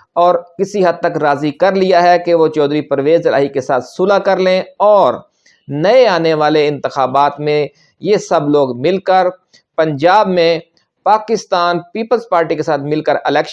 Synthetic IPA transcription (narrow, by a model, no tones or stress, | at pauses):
ɔːɾkɪsiɦɐd̪̚t̪ɐkɾaːzikɐɾlijaɦɛkeʋot͡ʃɔːd̪ɾipɾʋeːzɪla̰ːɦikesaːt̪ʰsʊlakɐɾlẽɔːɾ | nɐeaːneʋaːleɪ̃nt̪ɪxaːbaːt̪mẽ | jesɐbloːɡmɪlkəɾ | pɐ̃ɲd͡ʒaːbmẽ | paːkɪst̪aːnpiːpəlzpaːɾʈikesaːt̪ʰmɪlkəɾɪlɛːkʃ